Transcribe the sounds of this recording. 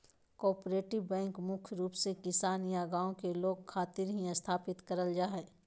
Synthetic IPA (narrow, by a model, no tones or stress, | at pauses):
kɔːɾpɾeːʈɪbbɛ̃ːŋkmʊkʰɾuːpsekɪsaːniaːɡaːõkeloːɡkʰaːt̪ɪɾɦiə̃st̪ʰaːpɪt̪kɐɾəld͡ʒaːɦɛː